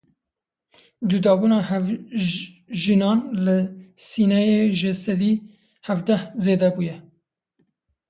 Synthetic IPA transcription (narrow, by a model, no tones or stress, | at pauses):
d͡ʒud̪ɑːbuːnɑːhɛv | ʒinɑːnlɪsiːnɛjeːʒɪsɛd̪iː | hævd̪ɛhzeːd̪ɛbuːjɛ